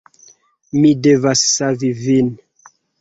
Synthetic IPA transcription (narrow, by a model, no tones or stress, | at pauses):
midevasːavivin